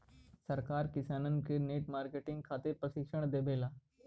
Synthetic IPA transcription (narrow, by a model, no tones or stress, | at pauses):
sɐɾkaːɾkɪsaːnənkeneːʈmaːɾkeʈɪ̃ŋɡ̚kʰaːt̪ɪɾpɾɐʃɪkʃəɽ̃d̪eːbʱeːlaː